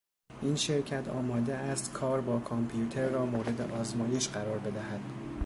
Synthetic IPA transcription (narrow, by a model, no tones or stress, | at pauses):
ʔiːnʃe̞ɾcʰæt̪ʰɒ̰ːmɒːd̪eæst̪kʰɒːɾbɒːkʰompʰjut̪ʰe̞ɾːɒːmoːɾe̞d̪ḛʔɒːzmɒːje̞ʃɢæɾɒːɾbe̞d̪æhæd̪̥